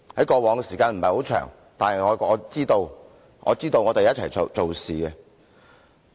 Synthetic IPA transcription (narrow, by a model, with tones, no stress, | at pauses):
hɐ˨˥jkɔː˧wɔː˨˧ŋɛ˧siː˨˩kaː˧nm̩˨˩hɐ˨˩jho˨˥wt͡ʃʰœ̰ː˨˩ŋ | t̪aː˨nhɐ˨jŋɔː˨˧ɔː˨˧t͡siː˥t̪o˧w | ŋɔ̰ː˨˧t͡siː˥t̪o˧wŋɔː˨˧t̪e˨jɐ˥t̚t͡sʰɐ˨˩jo˨t͡so˨wsiː˨˩kɛ˧